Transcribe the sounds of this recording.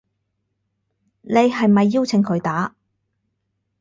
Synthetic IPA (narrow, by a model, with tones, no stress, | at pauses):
ne˨˧jɦɐ˨jmɐ˨jːiː˥wt͡sʰɪ˨˥ŋkʰɵ˨˧˥ɥt̪aː˨˥